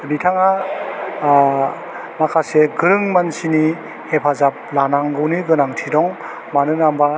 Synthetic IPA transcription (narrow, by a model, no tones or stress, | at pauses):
ɾitʰaŋa | makʰaseɡɯɾɯŋmansini | hepʰazap̚lanaŋɡɯwniɡɯnaŋtʰidɔŋ | manɯnamba